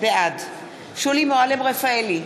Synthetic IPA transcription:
bead | ʃulimoalemʁefaeli

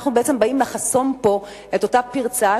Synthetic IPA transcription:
χnubeet͡sembaimlaχaso̞mpo̞ | e̞to̞tapiʁt͡saa

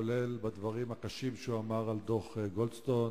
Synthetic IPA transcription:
olelbad̪vaʁimhakaʃimʃeuamaʁald̪o̞χeɡolst̪on

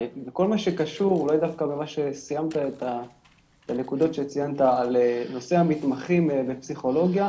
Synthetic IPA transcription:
beko̞lmaʃekaʃuʁulajd̪afkabemaʃe̞sijamt̪aet̪a | et̪anekud̪o̞t̪ʃet͡sijant̪aaleno̞seɦamit̪maχimbepsiχo̞lo̞ɡja

